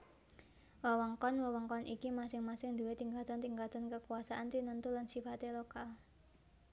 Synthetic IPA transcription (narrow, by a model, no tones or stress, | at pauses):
wawɔŋkɔnwəwɔŋkɔnikimasɪŋmasɪŋd̪uwet̪iŋɡat̪ant̪iŋkat̪ankəkuasaʔant̪inənt̪ulansifat̪elokal